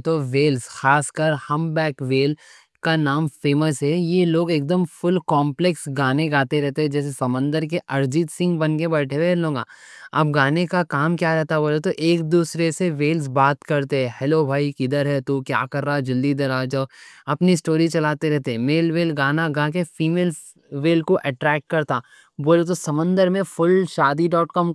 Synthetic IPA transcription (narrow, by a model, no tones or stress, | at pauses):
t̪oʋeːlsxaːskəɾhɐ̃mbɛːkʋeːl | kanaːmfeːməsɦɛjeloːɡeːk̚d̪əmfʊlkɔːmpleksɡaːneɡaːt̪eɾɛɦt̪eɦɛ̃d͡ʒɛːs̬esɐmə̃nd̪əɾkeʔɐɾd͡ʒɪt̪sɪ̃ŋɡbɐnkebɐːʈʰebelõːŋɡa̰ːɐ̰b̚ɡaːnekakaːmkjaːɾɛɦt̪aɦboːlat̪oʔeːkd̪uːsɾeseʋeːlz̬baːt̪kɐɾt̪eɦɛ̃hɛlobʱaːikɪd̪əɾɦɛt̪ukja̰ːkɐɾːaːd͡ʒɪld̪id̪ɐɾaːd͡ʒɔːɐpnisʈoːɾit͡ʃɐlaːt̪eɾɛɦt̪eɦɛ̃meːlʋeːlɡaːnaɡaːk̬efiːmeːl | ʋeːlkoʔɛʈɾɛːk̚ʈ̚kɐɾt̪aː | boːlet̪̬osɐmə̃nd̪əɾmẽfʊlʃaːd̪iɖɔːʈkɔːm